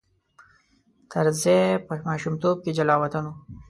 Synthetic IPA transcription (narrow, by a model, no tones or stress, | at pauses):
t̪ʰɐɾzepəmɑːʃumt̪ob̚ked͡ʒalɑːwɐt̪ano